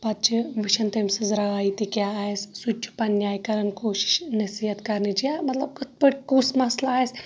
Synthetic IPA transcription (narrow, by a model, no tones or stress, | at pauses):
pɐt̪̚t͡ʃʰiʋiʃɐnt̪emsɐzɾɐaːit̪ikʲjaːaːessut͡ʃʰu̥pɐnjaːjkɐɾɐnkoːʃi̥ʃnɐsiɦɐt̪kɐɾnit͡ʃijamɐt̪lɐb̚kɐt̪pɐɽkusmɐslaaːjes